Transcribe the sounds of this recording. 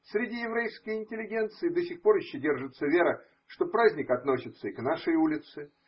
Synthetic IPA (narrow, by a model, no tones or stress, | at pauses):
sʲɾʲɪdʲijɪvɾʲejskəjɪnʲtʲɪlʲɪɡʲent̪sɨɪd̪əsʲɪxpo̞ɾjɪɕːodʲe̞rʐɨt̪səvʲe̞ɾə | ʂt̪o̞pɾazʲnʲɪkɐt̪no̞sʲɪt̪səiknaʂəjulʲɪt̪sɨ